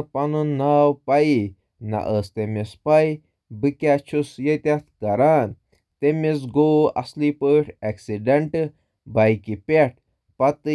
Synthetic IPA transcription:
pɐnunːaːwpai | na̰ʔəst̪emespai | bɨkʲat͡ʃʰusjet̪ʲat̪̚ʰkɐɾaːn | t̪emes̬ɡoːɐ̰slipəːʈʰeksiɖeɳʈ | bajkipʲeʈ̚ʰ | pɐt̪ɨ

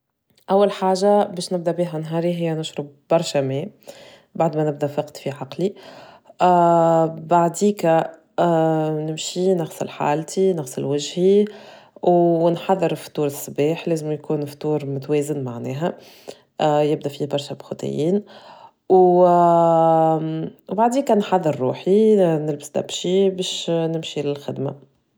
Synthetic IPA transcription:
ʔæwːælħaːʒabɛːʃnɪb̚d̪æbiːɦænɦɑːɾiɦɪjːænʊʃɾʊbbɑɾˤʃamɛː | baʕd̪mænɪb̚d̪æfɑqt̪fiʕɑqli | baʕd̪iːkæ | nɪmʃinɑxsˤɑ̰lħa̰ːlt̪inɑɣsˤɪlwɪʒhi | wnħɑðˤːəɾft̪ˤuːɾsːbiːħlɛːzɪmjkuːnft̪uːɾmʊt̪wɛːzɪnmaʕnɛːɦæ | jɪb̚d̪æfiːhbɑɾˤʃæbxʊt̪ˤɪ̰jiːn | w | wbaʕd̪iːkænħɑðˤːɨɾːuːħinɪlbɪ̥sd̪æ̰bʃibɛːʃnɪmʃilɪlxɪd̪ma̰

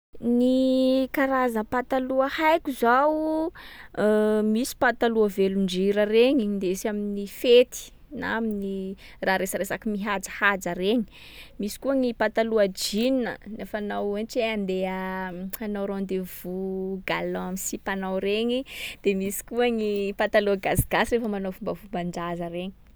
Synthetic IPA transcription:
nikaɾazəpat̪aluahajkuzaw | misi̥pat̪aluaveluɳd͡ʒiɾəreɲind̪esaminifet̪i̥ | naminiraɾesaɾesakimiɦad͡zə̥had͡zəɾeɲi̥ | misi̥kuaŋipat̪aluad͡ʒininə̰nefanawent͡ʃeand̪eəanawɾond̪evuɡaloamisipanawɾeɲid̪̥emisi̥kuaŋipat̪aluaɡasiɡ̥asirefəmanowfumbəfumbaɳd͡ʒazəreɲi̥

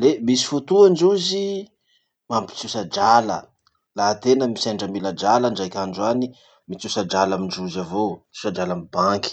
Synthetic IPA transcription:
lemisi̥fut̪uand͡ʒuzi | mampi̥t͡susad͡ʒalə̰ | lat̪enəmisaɳɖ͡ʐəmilad͡ʒalənɖ͡ʐajkʲaɳɖ͡ʐuani | mit͡susad͡ʒalamind͡ʒuzavoit͡susad͡ʒalamibaŋki̥

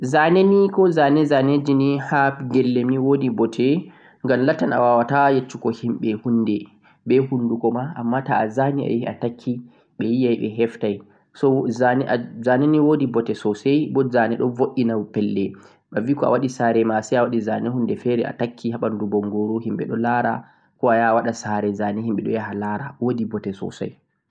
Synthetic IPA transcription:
zanenikɔzanɛzaned͡ʒinihaɡɛlːɛmiwodibɔtʰɛ | ŋɡamlatːana̰wawatajet͡ʃːukɔhimɓɛhundɛ | bɛhundukɔmaamːataːzania̰jia̰takʰːi | ɓɛjijajɓɛ̰ɦɛftaj | sɔzanɛazaniniwodibɔtɛsɔsajbɔzanɛɗɔvoʔinapɛlːɛ | ɓaviːkɔa̰waɗisaːɾɛmasɛjawaɗizanɛhundɛfɛɾɛʔa̰takʰːiɦaɓandubɔŋɡoɾohimɓɛ̰ɗɔlaːɾa̰ | kɔajawaɗasaɾɛzanihimɓɛɗɔjaɦalaɾawodibɔtɛsɔ̰sa̰j

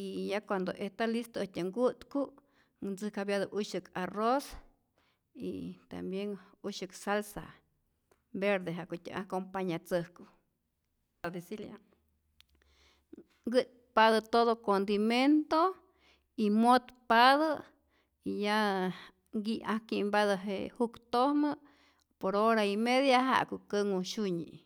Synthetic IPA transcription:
ijakwand̪oʔeht̪alist̪oot̪ʲaŋɡut̪ku | nd͡zɨkabjaðəʔuʃɨkʰaros | ḭt̪a̰mbjeŋuʃɨksalsa̰ | beɾd̪eɦaʔkut̪ʲa̰ʔa̰kompaɲat͡səhku | ad̪isilja | ɡɨt̪̚ | paðət̪oðokond̪iment̪o | imot̪paðə | ija | ɡiʔahkimbaðəɦḛhukt̪ohmə | poɾoɾaimeðjaɦa̰ʔkukəŋuʃuɲḭ

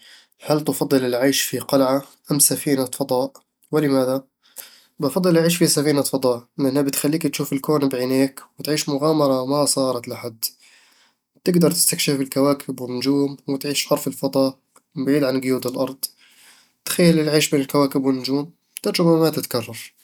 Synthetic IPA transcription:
ħalːt̪ɑfɑd̪ˤːɨlɪlʕaːʃfiqɑlʕa | ʔamːsafiːnafɑd̪ˤɑːʔ | wɪlɪmaːða | bʔɑfɑd̪ˤːɨlʔaʕiːʃfisafiːnafɑd̪ˤɑːʔlɪʔanːhabɪt̪xalːiːkt̪ʃuːfɪlkoːnbʕineːkwɪt̪ʕiːʃmʊɣaːmɑɾˤɑmasˤɑːɾˤɑt̪laħad̪ | t̪ɪɡd̪ɑɾˤt̪ɪ̥st̪akʃɪfbɪlkawaːkʰɪbwɪnːʊd͡ʒuːmwɪt̪ʕiːʃʕɑɾˤfɪlfɑd̪ˤɑːʔ | bʕiːd̪ʕanɡʊjuːd̪ɪlʔɑɾˤd̪ˤ | t̪xajːalɪlʕiːʃbeːnɪlkawaːkɪbwɪnːʊd͡ʒuːm | t̪ɑɾˤd͡ʒamamat̪ɪt̪kɑrˤːɑɾˤ

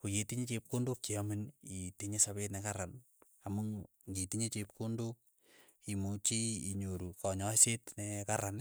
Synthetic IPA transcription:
kujetiɲet͡ʃep̚kondokt͡ʃiaminitiɲesaβetnɛkaɾan | amu | ŋɡitiɲet͡ʃep̚kondok̚ | imut͡ʃiiɲoɾukɔɲɔsetnɛkaɾan

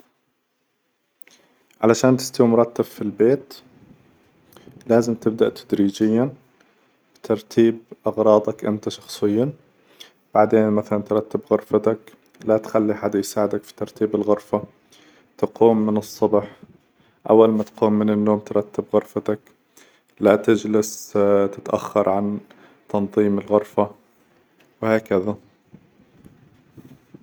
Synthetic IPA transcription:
ʕalaʃaːnt̪ɪst̪awmʊɾˤɑt̪ːab̥filbeːt̪ | laːzɪmt̪ɪb̚d̪aʔt̪ʰḁd̪ɾiːd͡ʒɪjːan | b̥ɪt̪ʰɑɾˤt̪ʰiːbʔɑɣɾˤɑːd̪ˤɑkʔɪ̰nt̪aʃɑ̥xsˤɨjːa | b̥aʕd̪eːnmaθalant̪ɾˤɑt̪ːɪbɣʊɾˤfat̪ak | lat̪xalːiʔħad̪jsaːʕɪd̪akfi̥t̪ɑɾˤt̪iːbɪlɣʊɾfa | t̪quːmːɪnɨsˤːɑbħ | ʔa̰wːalmat̪quːmːɪnɪnːoːmt̪ɾˤɑt̪ːɪbɣʊɾfat̪ak | lat̪ɪd͡ʒlɪst̪ɪt̪ʔa̰xːɑɾˤʕan | t̪ɑnðˤiːmɪlɣʊɾfa | wɪhaːkaða

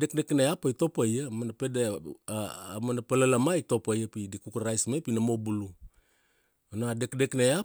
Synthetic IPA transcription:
dek̚dekneapajto̞pajamanapedḛ | manapalalamajtopajapidikukɾajsmepinamobulu | onaadekdeknaa

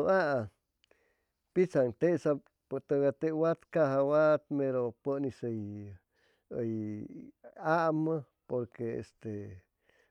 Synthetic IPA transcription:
oaʔa | pit͡saŋt̪eʔsa | pt̪əɡat̪ewat̪kaɦawat̪meɾopənisəj | əj | aʔmə | poɾkeḛst̪e

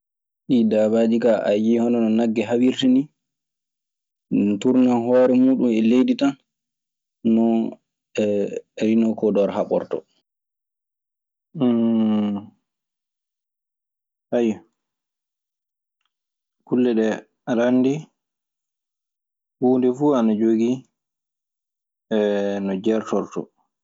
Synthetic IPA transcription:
ʔidaːbaːd͡ʒikaʔa̰jihɔnɔnɔnaɡːɛɦawiɾtini | tuɾnanɦɔːɾɛmuːɗumɛlejditan | nɔ | ɛɾinɔkɔdɔɾhaɓɔ̰ɾtɔ̰ | hajɔ | kulːɛɗɛ | alanːdi | huːndɛfuanad͡ʒoɡi | ɛnɔd͡ʒɛɾtɔɾtɔ̰

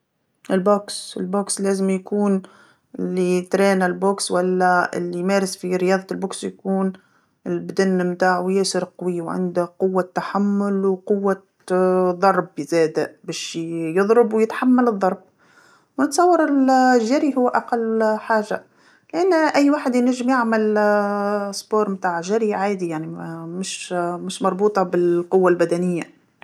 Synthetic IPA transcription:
ʔɪlboːksɪ̰lboːksleːzɪmjakuːn | ɪlːit̪ɾeːnɪlboːkswalːaɪ̰lːijmeːɾɪsfiɾɪjɑːðˤɑlboːksjakuːn | ɪlbd̪anːmt̪aːʕwjeːsɪɾqɑwiːwʕɪ̰nd̪aqʊwːat̪ːaħamːʊlwqʊwːa | ðˤɑɾˤbzeːd̪abæːʃjɨðˤɾɑbwjɪt̪ħamːalɨðˤːɑɾˤb̚ | wnɪt̪sˤɑwːɑɾˤɪlʒːaɾiɦʊwːʔaqɑlːħaːʒa̰ | lɪʔanːʔæjːwaːħɪd̪næʒːɪmjaʕmɪl | sˤboːɾˤmt̪aːʕʒaɾiʕaːd̪ijaʕnimɪʃmɪʃmɑɾˤbuːt̪ˤɑbɪlqʊwːalbæd̪ænɪjːa

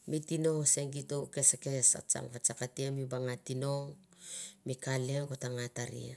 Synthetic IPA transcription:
mitino̞ŋse̞ŋɡitoke̞sekesa̰t͡ʃa̰ŋbat͡ʃakatiamibaŋatino̞ŋ | mikaleŋɡotaŋataɾḭa̰

